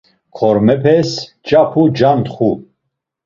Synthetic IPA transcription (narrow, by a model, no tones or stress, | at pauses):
kʰɔɾmɛpʰɛs | t͡ʃapʰud͡ʒant̪χu